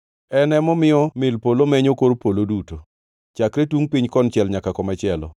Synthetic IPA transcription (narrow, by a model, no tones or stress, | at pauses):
ɛnɛmɔmɪɔmɪlpolomɛɲokoɾpoloduto | t͡ʃakɾɛtuŋpiɲkɔnt͡ʃɛlɲakakɔmɛt͡ʃɪɛlɔ̰